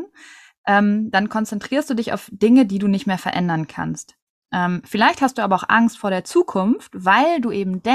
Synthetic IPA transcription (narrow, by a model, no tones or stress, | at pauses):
n | ʔɛːmd̥ankʰɔnt͡sɛntʁ̥iːɐstd̥uːdɪça̰ʊfd̥ɪŋədiːduːnɪçtmeːɐfɛɐʔɛndɐnkʰa̰nst | ʔɛːmfɪlaɪçthast̚d̥uːaːbɐaʊxʔa̰ŋstfoːɐɾeːɐt͡suːkʰʊnftv̥aɪlduːʔeːbm̩dɛ